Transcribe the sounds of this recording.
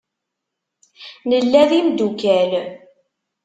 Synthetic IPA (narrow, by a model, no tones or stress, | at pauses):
nəlːæðimd̪ukæl